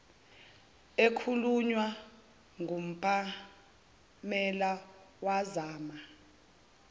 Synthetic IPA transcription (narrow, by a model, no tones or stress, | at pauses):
ekʰuluɲwa | ŋɡʱum̩pʼa | mɛlawazaːma